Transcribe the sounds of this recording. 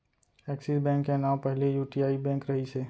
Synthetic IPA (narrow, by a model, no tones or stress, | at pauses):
ɛːksisbɛ̃ːŋkːenaːwpəɦlejuːʈiaːibɛ̃ːŋkɾɐɦiseː